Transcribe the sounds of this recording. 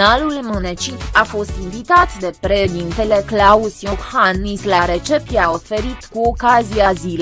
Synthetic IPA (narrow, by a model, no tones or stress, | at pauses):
alulmɨnet͡ʃitafo̞st̪invit̪at̪d̪e̞pɾed̪int̪ele̞klausijohanislaɾet͡ʃe̞pjao̞fe̞ɾit̪kuo̞kaziazil